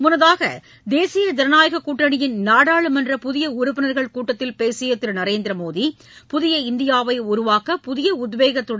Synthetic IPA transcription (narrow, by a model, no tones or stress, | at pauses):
mʊnɐðaːɣɐ̰ | d̪eːsɪjɐd͡ʒ̪ɐɾɐnaːjɐɣɐkːuːʈrɐɳɪjɪnnaːɽaːɭɯmɛndrɐpʊðɪjɐʊɾʊpːɪnɐɾɣɐɭkuːʈːɐt̪ːɪlpeːsɪjɐt̪ːɪɾnɐɾeːnd̪ɾɐmoːði | pʊðɪjɐɪnd̪ɪjaːʋɐɪʊɾʊʋaːkɐpʊðɪjɐʊd̪ʋeːɣɐt̪ːɯɽ